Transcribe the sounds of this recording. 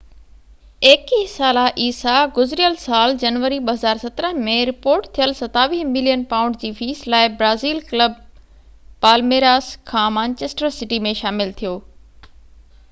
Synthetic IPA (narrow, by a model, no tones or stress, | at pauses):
eːkisaːlaʔiːsaɡʊzɾijəlsaːld͡ʑɐnʋəɾiɓɐɦɐzaːɾsɐt̪ɾəɦmẽɾɪpoːɾʈt̪ʰijəlsɐt̪aːʋiːmɪlijənpaːʊ̃ɳɖd͡ʑiːfiːslaːɪbɾaːziːlkləb | paːlmeːɾaːskʰãːmãːɲt͡ɕeːsʈəɾsɪʈimẽʃaːmɪlt̪ʰijoː